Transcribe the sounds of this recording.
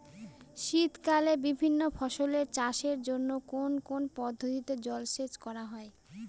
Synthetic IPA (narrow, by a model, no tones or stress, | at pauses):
ʃit̪kalebibʱinːofʰɔʃoleɾt͡ɕaʃeɾd͡ʑonːokonkonpɔd̪ʱːot̪it̪od͡ʑɔlʃet͡ɕkɔɾaɦɔe